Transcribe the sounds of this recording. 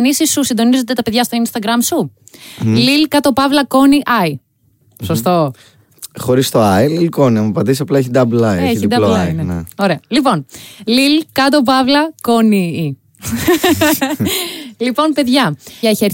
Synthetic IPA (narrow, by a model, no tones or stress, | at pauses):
nisisːusind̪o̞nizo̞t̪et̪ɐpe̞ðʝɐst̪o̞inst̪ɐɡɾɐmsu | lilkɐt̪o̞pɐvlɐko̞niʔɐi | so̞st̪o̞ | xo̞ɾist̪o̞ɐjlilko̞niɐmɐpɐd̪issɐplɐeçid̪ɐblɐeeçiid̪ɐloɐinenḛoɾe̞ɐlipo̞nlilkɐt̪̬o̞pɐvlɐkonii | lipo̞npe̞ðʝɐɐiçeɾ